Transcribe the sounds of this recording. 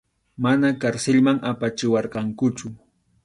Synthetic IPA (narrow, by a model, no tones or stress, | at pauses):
manakaɾsɪlmaŋapat͡ʃɪwɑɾqɑŋkʊt͡ʃʊ